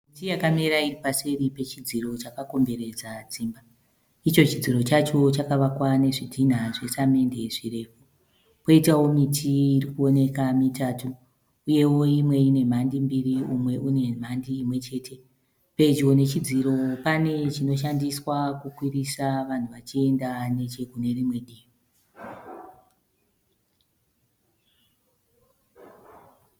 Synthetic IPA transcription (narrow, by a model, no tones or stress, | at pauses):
mitijakameɾairipaseɾipe̞t͡ʃid͡ziro̞t͡ʃakako̞mbe̞ɾe̞d͡zad͡ziːmba | it͡ʃo̞t͡ʃid͡ziro̞t͡ʃat͡ʃo̞t͡ʃakaʋakwane̞ʐidʱin̤aʐe̞same̞nde̞ʐire̞ːfu | poitawo̞mitʰiːrikuo̞ne̞kamitaːtu | uje̞wo̞imwe̞ine̞m̤andimbiriumwe̞ʔune̞m̤andiːmwe̞t͡ʃe̞tʰe̞ | pe̞t͡ʃo̞ne̞t͡ʃid͡ziɾo̞pane̞t͡ʃino̞ʃ̬andiswakukwirisaʋan̤uʋat͡ʃie̞ndane̞t͡ʃe̞kune̞rimwe̞ɗiːi